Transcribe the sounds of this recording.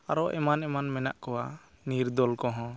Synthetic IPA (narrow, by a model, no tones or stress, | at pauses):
aɾɔʔɛ̰manɛmanmɛna̰ʔkɔwa | niɾd̪ɔlkɔɦɔ̃